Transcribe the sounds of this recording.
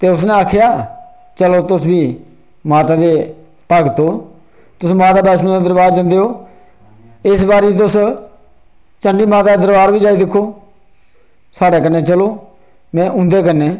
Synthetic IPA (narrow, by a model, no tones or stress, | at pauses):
t̪eːʊsneːaːkʰjaː | t͡ʃəloːt̪ʊsbiː | maːt̪aːd̪eː | pəɡt̪oː | t̪ʊsmaːt̪aːbɛːsnõːd̪aːd̪əɾbaːɾd͡ʒə̃nd̪eːɦoː | ɪsbaːɾiːt̪̬ʊs | t͡ʃəɳɖiːmaːt̪aːeːd̪əɾbaːɾbiːd͡ʒaːiːd̪ɪkʰːoː | saːɽeːkənːeːt͡ʃəloː | mɛ̃ːʔʊ̃nd̪eːkənːeː